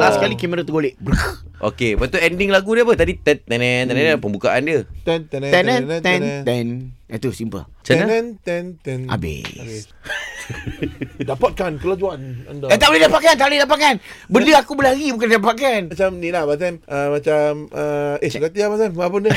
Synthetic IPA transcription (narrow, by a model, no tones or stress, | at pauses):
asəkalikiməɾət̪əɡoleʔbəɾək | ʔo̰kebat̪uɛndɪŋlaɡudiəpət̪adit̪ɛnt̪ɛnɛnt̪ɛnɛ̃npəmbukaʔandiət̪ɛnt̪ɛnɛ̃ɛnɛnt̪ɛnt̪ɛnɛ̰t̪usimpə̰lt͡ʃanəɛnt̪ɛnt̪ɛna̰bɪ̰s | dapat̪̚kankəlad͡ʒuanandat̪aʔboledapaʔkaant̪aʔboledap̬at̪̚kanbəliakubəlaɡibukandapakaant͡ʃamnilabat̪ɛmʔəmat͡ʃaməeskat̪iamatamapunə